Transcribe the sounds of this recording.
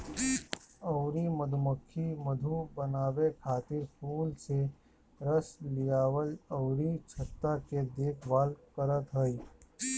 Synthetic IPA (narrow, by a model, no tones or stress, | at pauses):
ɔʊɾiməd̪ʱuməkʰːiməd̪ʱubənaːbekʰaːt̪ɪɾpʰuːlse | ɾəslijaːwəlɔʊɾit͡ʃʰət̪ːaked̪eːkʰbaːlkəɾət̪ɦəi